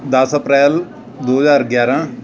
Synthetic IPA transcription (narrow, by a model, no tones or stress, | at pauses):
d̪ɐsəpɾɛːl | d̪oːɦəzaːɾɡjaːɾãː